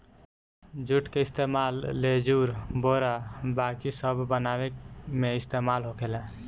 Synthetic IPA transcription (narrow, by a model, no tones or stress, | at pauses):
d͡ʒuʈkeist̪emalːed͡ʒuɾboɾabakisəbʱːənaβekmeist̪emalɦokʰelɛ̃